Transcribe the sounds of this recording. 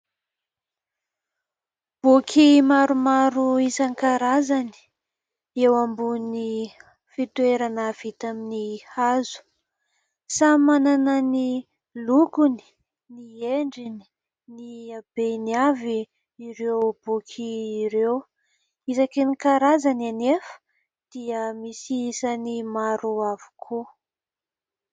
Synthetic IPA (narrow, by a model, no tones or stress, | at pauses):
b̥ukʰimaɾumaɾuizaŋkaɾazani̥ | ewambuni | fit̪uweɾanəv̥it̪aminihazu̥ | samananəni | lukuni̥ | nieɳɖ͡ʐini̥ | niab̥eniaviː | ɾewb̥ukʰiːɾew | izakenikaɾazananefə̥ | d̪̥iəmisiisanimaɾuavu̥kʰu